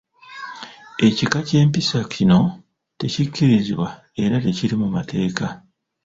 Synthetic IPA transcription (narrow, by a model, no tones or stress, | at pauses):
e̞cikace̞ːmpisacʰino̞ | te̞cikːiɾiziβwa | e̞ɾate̞ciɾimumatʰe̞ːka